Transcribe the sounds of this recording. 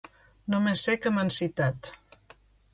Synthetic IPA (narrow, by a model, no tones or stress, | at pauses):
nomesːɛkəmənsit̪at̪